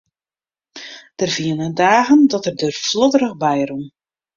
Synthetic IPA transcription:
d̥ərv̥iənədaːɣəndɔtərdørfflodəɾəxbɛjrum

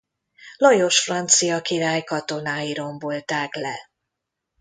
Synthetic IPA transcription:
lɒjoʃfrɒnt̪sijɒkiɾaːjkɒt̪o̞naːiɾo̞mbo̞lt̪aːklɛ

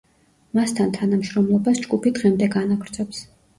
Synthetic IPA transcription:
mast̪ʰant̪ʰanamʃɾɔmlˠɔbasd͡ʒɡupʰid̪ʁɛmd̪ɛɡanaɡɾd̪sʰʼɛps

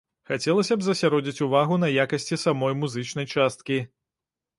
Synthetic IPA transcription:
xat͡sʲɛlˠɐsʲɐbzɐsʲaɾɔd͡zʲit͡sʲuvaɣun̪ɐjakɐsʲt͡sʲisamɔjmuzɨt͡ʂnɐjt͡ʂast̪̚kʲi

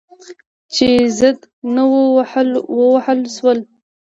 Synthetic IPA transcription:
t͡ʃezəd̪ | nəwlwəwahəlʃwəl

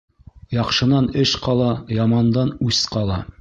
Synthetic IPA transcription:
jɑqʃɤ̆nɑnɘʃqɑlˠɑjɑmɑnd̪ɑnʉsqɑlˠɑ

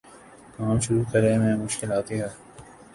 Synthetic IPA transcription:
kaːmʃʊɾukɐɾẽmẽmʊʃkɪlaːt̪iɦɛː

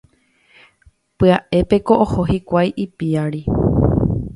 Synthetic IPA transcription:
pɨaʔe̞pe̞ko̞ʔohohikʷajʔipiaɾi

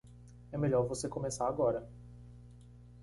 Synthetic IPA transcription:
ɛmeʎɔɾvosekomesaɾaɡɔɾɐ

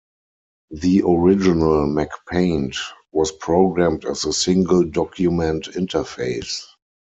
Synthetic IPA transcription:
ðiʔɔɹɪd͡ʒɪnəlmækpʰẽɪ̃ntwɔspʰɹoʊɡɹæ̃mtætzəsɪ̃ŋɡəldɔkʰjumɛ̃ntɪ̃ntə˞feɪs

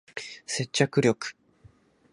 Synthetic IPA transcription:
se̞t͡ɕːakɯ̟ɾʲjo̞kɯ̟̥

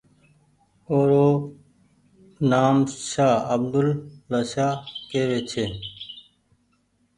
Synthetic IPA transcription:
oːɾoː | naːmʃaːəbd̪ʊlːəʃaːkeːʋeːt͡ʃʰeː

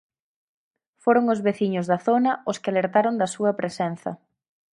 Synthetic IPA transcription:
foɾoŋʊzβeθiɲʊzðɐθonɐʊskɪaleɾt̪aɾond̪ɐsuɐpɾesɛnθɐ̰

